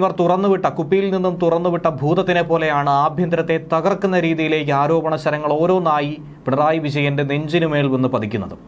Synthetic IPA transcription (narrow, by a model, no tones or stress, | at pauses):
mɐrt̪urɐnːuʋiʈːɐkupːijilninːumt̪urɐnːuʋiʈːɐbʱuːd̪ɐt̪ːinepo̞ːle̞jaːɳɨaːbʱjɐnd̪ɾɐt̪ːe̞t̪ɐɣɐrkːunːɐɾiːðijile̞ːk̬ːɨaːɾo̞ːbɐɳɐɕɐɾɐŋːɐɭo̞ːɾo̞ːnaːji | piɳɐraːjiʋid͡ʑɐjɐnde̞neɲd͡ʑinume̞ːɭenːupɐd̪ikʲːunːɐðɨ